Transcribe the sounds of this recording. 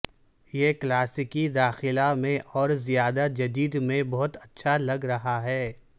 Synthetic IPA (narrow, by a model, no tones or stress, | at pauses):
jeːklaːsɪkid̪aːxɪlamẽʔɔːɾzijaːd̪ad͡ʒɐd̪iːd̪mẽbɔɦʊt̪ɐtːʃʰalɐɡɾɐɦaɦɛː